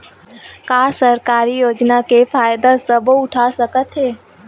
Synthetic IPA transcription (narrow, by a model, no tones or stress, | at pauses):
kasəɾkaːɾijoːd͡ʒnakepʰaːjd̪asəboʊʈʰasəkət̪ɦeː